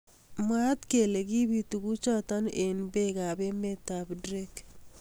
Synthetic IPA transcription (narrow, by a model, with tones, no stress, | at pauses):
mwa˦t̪ke˨le˨ɡi˦bi˦t̪u˨ɡu˦t͡ʃɔ˦t̪ɔ˦ne˨nbe˦ɡa˨be˦me˦t̪a˨bdɾe˦k